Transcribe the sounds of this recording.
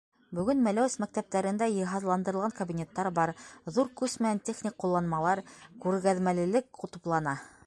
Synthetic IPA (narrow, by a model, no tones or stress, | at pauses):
bɵ̆ɡɵnmælæwɘsmæk̚t̪æp̚t̪æɾɘ̆nd̪æjɤ̆jɦɑzlˠɑnd̪ɤ̆ɾɤ̆lˠʁɑŋkobʲinʲet̪ːɑɾbɑɾðuɾkʉsmɘ̆næntʲeχnʲik̚qːulˠːɑnmɑlˠɑɾkʉɾɡæðmælɘ̆lɘk̚qŏt̪ɤ̆plˠɑnɑ